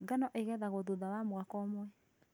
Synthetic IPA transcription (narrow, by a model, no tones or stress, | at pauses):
ɡanɔʔeɣɛðaɣoðoðawamoakɔmwɛ